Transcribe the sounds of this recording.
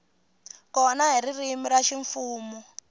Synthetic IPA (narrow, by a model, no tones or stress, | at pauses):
kɔnaɦiɾirimiɾaʃiɱfuːmɔ